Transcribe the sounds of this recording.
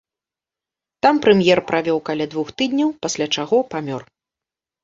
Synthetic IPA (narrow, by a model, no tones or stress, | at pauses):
t̪ampɾɛmʲjɛrpɾʔavʲɔwkalʲad̪vuxt̪ɨd̪ʲnʲɐwpasʲlʲat͡ʂaɣɔpamʲɔr